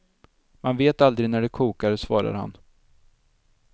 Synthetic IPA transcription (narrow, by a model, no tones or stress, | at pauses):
manveːt̪ald̪ɾɪnæɖɛkʰuːkaɾsvɑ̰ːɾa̰ɾha̰n